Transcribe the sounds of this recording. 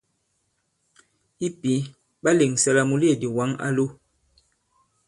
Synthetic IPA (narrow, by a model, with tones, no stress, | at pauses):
i˦pi˨˦ | ɓa˦le˨ŋsɛ˦la˦mu˦li˦e˨di˨wa˦ŋa̰˦lo˦